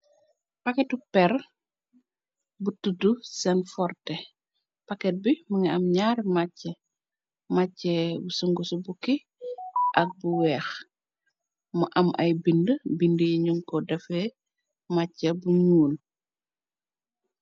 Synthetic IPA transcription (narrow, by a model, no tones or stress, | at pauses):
pɐkɛtupɛr | butudusɛnfɔrtɛ | pakɛt̚bimɐŋɛɐmɲaɾmacːɐ | macːɛbusəŋɡusubuki | ʔɐk̚buwɛːx | mɐʔɐmʔɐ̰jbindəbindəjiɲuŋkɔdɐfɛ | macːɐbuɲuːl